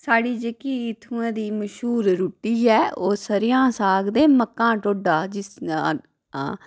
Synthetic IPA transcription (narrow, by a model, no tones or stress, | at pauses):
saːɽiːd͡ʒeːkiːɪt̪ʰuːãːd̪iːməʃɦuːɾɾuːʈːiːɛːoːsəɾɪjãːsaːɡd̪eːməkːãːʈoːɖaːd͡ʒɪsaː | aː